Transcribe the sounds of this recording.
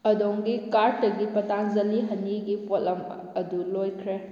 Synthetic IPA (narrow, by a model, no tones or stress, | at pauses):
ɐdoŋɡikaɾtːɐɡipɐtanzɐliɦɐnːiɡipʰollɐm | ɐdulojkʰɾe